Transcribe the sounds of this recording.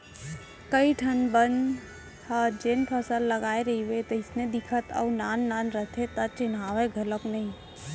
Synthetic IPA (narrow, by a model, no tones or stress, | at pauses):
kəiʈʰənbənd̪ | haːd͡ʒeːnpʰəsəlːəɡaːeɾəɦiwet̪oɪsned̪ɪkʰət̪ə̰ːnaːnːaːnɾət̪ʰet̪at͡ʃɪnaːʋeɡʱələknəɦĩ